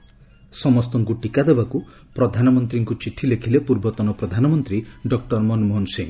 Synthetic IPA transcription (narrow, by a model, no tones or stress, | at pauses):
sɔmɔst̪ɔŋɡuʈikad̪ebaku | pɾɔd̪ʱanɔmɔnt̪ɾiŋkut͡ʃiʈʰilekʰilepuɾbɔt̪ɔnɔpɾɔd̪ʱanɔmɔnt̪ɾiɖɔk̚ʈɔɾmɔnmɔɦnseŋ